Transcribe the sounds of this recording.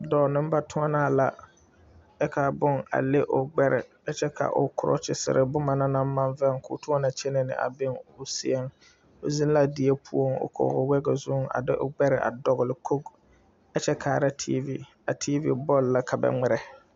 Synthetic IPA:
dɔ˨nɪ˦m˦ba˦tʰʊ˦ŋa˦naː˦˨la˨ | ɛ˦ka˨bʊ˦ŋa̰˨le˦ʔʊ˨ɡ͡bɛ˦ɾɛ̰˨ | ɛ˦t͡ʃɛ˦ka̰˨ʔʊ̰˨kʰʊ˨ɾɔ̰˦t͡ʃɪ˨sɪ̰˨ɾʔɪ˦bʊ˦ma˨na˦na˦m˦ma˦nvɛ˦ŋkʰʊ̰˨tʊ˦a˦na˨t͡ʃɛ˦nɛ˦nɪ̰˨ʔa̰˨bɪ˦ŋʊ˨si˦ɛ˦ŋ | o˨zi˦n˦la˦dɪ˨je˦pʰu˦o˦ŋʊ̰˨kʰɔ̰˨ɣʊ˨wɛ˦ɡɛ˨zʊ˦ŋa̰˨dɪ˦ʔʊ̰˨ɡ͡bɛ˦ɾɪ˨ʔa̰˨dɔ˨ɣʊ˨lɪ˨kʰo˦ɡ | a˦t͡ʃɛ˦kʰa˨ɾa˦tʰḭː˦vi˦ | a˨tʰi˦vḭ˨bɔ˦˨lːa˦kʰa˨bɛ̰˨ŋ͡mɪ˦ɾɛ˨

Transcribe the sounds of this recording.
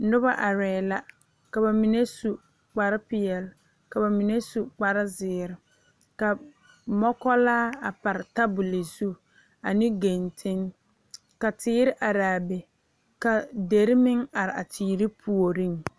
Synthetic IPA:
nʊ˦ba˦ʔa˨ɾɛː˨la˦ | ka˨ba˨mi˨ne˦su˨ | k͡pa˨ɾɪ˦pɪ˨jɛ˨l | ka˨ba˨mi˨ne˦su˨k͡pa˨ɾɪ˦zɪː˨ɾɪ˨ | ka˨ | mɔ˦kɔ˦laː˦a˨pa˨ɾɪ˨ta˦bʊ˨le˨zu˦ | a˨nɪ̃˦ɡe˨ntʰɪ˦ŋ | ka˨tʰɪː˦ɾɪ˦ʔa˨ɾaː˨be˨ | ka˨de˨ɾɪ˦mɪ˦ŋa˨ɾɪ˨ʔa˨tʰiː˨ɾi˦pʰu˨o˨ɾi˦ŋ

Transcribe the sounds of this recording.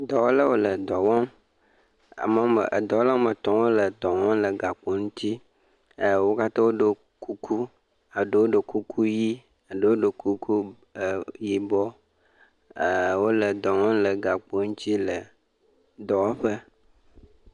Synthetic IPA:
d̪ɔ˨wo˦la˦wo˦lə˨d̪ɔ˨wɔ̃˦m | a̰˨mə˨˦mə̰˨ʔə̰˨d̪ɔ˨wo˦la˦wo˦mə˨t̪ɔ̃˨˦wo˦lə˨d̪ɔ˨ŋɔ̃˦mlə˨ɡa˨k͡po˨ŋũ˦t̪ʰi˦˨ | wo˦ka˦t̪ã˦wo˦ɖə˨ | ku˦kʰu˦ | a˨ɖə˨wo˦ɖə˨ku˦kʰu˦ji˦ | a˨ɖə˦wo˦ɖə˨ku˦kʰu˦˨ | ji˨bɔ˦˨ | wo˦lə˨d̪ɔ˨ŋɔ̃˦lə˨ɡa˨k͡po˨ŋũ˦t̪i˦lə˨ | d̪ɔ˨wa˦ɸə˦

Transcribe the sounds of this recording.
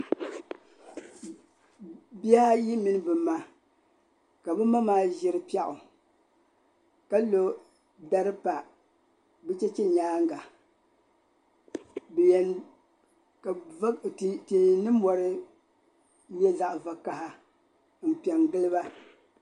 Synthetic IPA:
bi˦a˦ji˦mi˨nɨ˦bɨ˨mːa˦ | ka˨bɨ˦ma˦maː˦ʒɪ˦ɾɨ˦pi˦ɛ˦ʔʊ˨ | ka˦lo˦ | ba˦ɾɨ˦pa˨ | bɨ˦t͡ʃɛ˦t͡ʃɛ˦ɲaː˦ŋ˦ɡa˨ | b | te˨hɪ˨nɨ˦mː˦ɔ˨ɾɨ˦ | bɛ˦za˨ʔva˨ka˨ha˦ | m̩˨pi˨ɛ˨ŋɡɨ˦lɨ˦ba˦

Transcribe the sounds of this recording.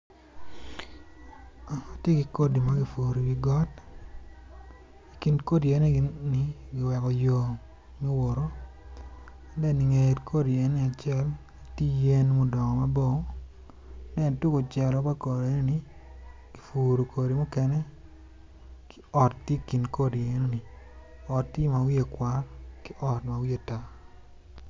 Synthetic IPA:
a˨a˨tje˦ɡi˨ko˦di˨ma˦ɡi˨fu˨ɾo˨ɡi˨ɡɔ˦t | i˨ki˨nko˦di˨ɛ˦ne˦ni˨˦ɡɪ˨wɛ˨kɔ˨jo˨ | mi˦wo˨ɾo˦˨ | dɛ˦˨ni˨ŋe˨tkʰo˦di˨ɛ˦nːɪ˨a˨t͡ʃɛ˦˨l | a˨ti˦je˦nmu˦dɔ˨ŋɔ˨ma˦bo˦˨ŋ˦ | dɛ˦˨n˨tu˦ko˨t͡ʃɛ˨lɔ˨˦ba˦ko˨ɾe˦ne˦ni˨˦ | ɡ̥i˨fu˨ɾo˨kʰo˨ɾi˨mʊ˦kɛ˦nɛ˦ | kɪ̥˦ɔ˨tːje˦˨ki˨nko˦di˨e˨˦no˦ni˨ɔ˨tːi˦ma˨wi˦e˨kwʷa˦rkɪ˦ʔɔ˨tma˨wi˦e˦˨ta˦

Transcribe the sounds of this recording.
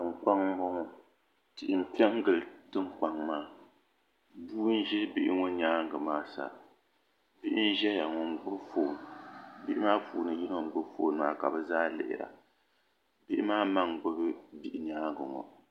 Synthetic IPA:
ŋ͡m̩˨k͡pa˦ŋ˦bɔ˦ŋɔ˦ | tɪ˨ʔɪ˨m̩˨pɛ˦ŋ˦ɡɨ˨ltɨ˦ŋ̩k͡pa˨ŋmaː˦ | bu˦n̩˦ʒɛ˦bi˦ʔɪ̰˦ŋɔ˦ɲaː˦ŋ˦ɡɨ˨maː˦sa̰˨ | bi˦ʔɪ˦n̩˦ʒɛ˦ja˨ŋɔ˨ŋ˦ɡ͡bʊ˦bfoː˨n˨bi˦ʔɪ˦maː˦fṵː˨nɨ˨ji˦no˦ŋ̩˦ɡ͡bʊ˦foː˨nɨ˨maː˦ka˨bɛ˨zaː˦lɪ̰˨ʔɪ̰˨ɾa̰˨ | bi˦ʔɪ˦maː˦ma˦ŋɡ͡bɨ˦bɨ˦bi˦˨ʔɪ˨ɲaː˦ŋɡɨ˨ŋɔ̰˨

